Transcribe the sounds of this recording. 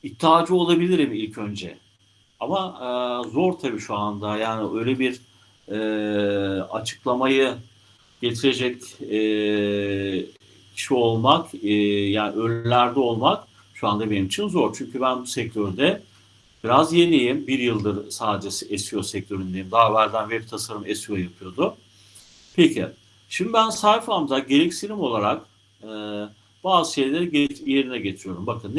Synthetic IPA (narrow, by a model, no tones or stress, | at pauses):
it̪ʰːiaːd͡ʒio̞lˠabilʲiɾimilʲcʰø̞nd͡ʒɛ̰ | amazo̞ɾt̪ʰabiʃuand̪ajaːniø̞jlʲebiɾ | ɛ | a̰t͡ʃʰɯ̥klˠamajɯ | ɟ̥e̞t̪ʰiɾe̞d͡ʒɛcː | cʰi̥ʃio̞lˠmakːjaːniʔøɾlʲlʲæɾd̪ɛo̞lˠmak | ʃuand̪abenimit͡ʃʰinzo̞ɾt͡ʃʰyɲcʰybænbusɛc̚t̪ʰøɾd̪ɛ | b̥iɾazjenʲejimbiɾjɯlˠd̪ɯɾsaːd̪ed͡ʒesesijo̞sɛc̚t̪ʰøɾynd̪ejimd̪aːvæɾd̪ænvɛp̚t̪ʰasaɾɯmesijo̞japʰɯjo̞d̪ʊ | pʰecʰḭ | ʃimd̪ibænsajflˠamd̪aɟe̞ɾɛcsiɾimo̞lˠaɾak | ɯ | baːzɯʃe̞jlʲe̞ɾiɟeje̞ɾinɛɟe̞t̪ʰɾijo̞ɾumbakʰɯnː